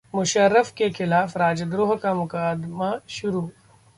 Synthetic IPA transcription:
mʊʃəɾːəfkexɪlaːfɾaːd͡ʒd̪ɾoːɦkamʊkaːd̪maʃʊɾuː

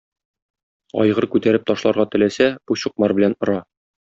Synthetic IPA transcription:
ɒ̰jʁɤɾkʉt̪æɾɘp̚t̪ɒʃlˠɑɾʁɑt̪ɘ̆læsæb̥uɕŭq̚mɑɾbɘ̆lænŏɾɑ

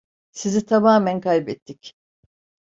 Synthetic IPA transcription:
sizit̪ʰamaːmænkʰajbɛt̪ʰːic

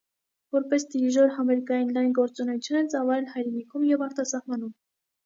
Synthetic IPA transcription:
vɔɾpɛsd̪iɾiʒɔɾhɑmɛɾkɑjinlɑjnɡɔɾt͡sunɛjut͡sʰjunɛt͡sɑvɑlɛlhɑjɾɛnikʰumjɛvɑɾt̪ɑsɑhmɑnum

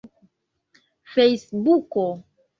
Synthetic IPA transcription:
fejsbuko

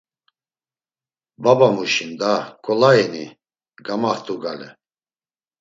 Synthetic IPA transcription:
babamuʃind̪akʼɔlaini | ɡamaht̪ʰʼuɡalɛ

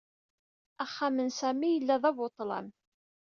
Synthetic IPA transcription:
æχːamənsæmijəlːæðˤævot̪ˤːlɑ̰m

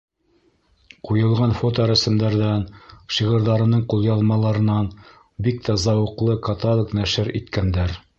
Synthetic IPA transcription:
qujɤ̆lˠʁɑnfot̪oɾæsɘ̆md̪æɾðænʃiʁɤ̆ɾðɑɾɤ̆nɤɴqulˠjɑlˠmɑlˠɑɾɤ̆nɑn | bik̚t̪æzɑwɤ̆qlˠɤkɑt̪olˠoknæʃɘɾḭt̪kænd̪æɾ

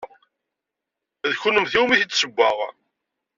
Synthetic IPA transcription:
ðçunəmθiwmiθit͡sːsəɡʷːaʁ

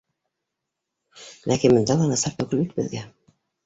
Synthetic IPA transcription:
lʔækinmɤ̆nd̪ɑlˠɑnɑsɑɾt̪ɵkɵlit̪̚bɘ̰̆ðɡæ

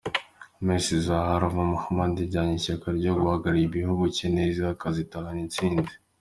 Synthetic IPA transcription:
mesizahaɾavamuhamandiɟaɲiçakaɾɟo̞ɡuhaɡaɾiiβihuɡuceneziakazitalanit͡siːndi̥

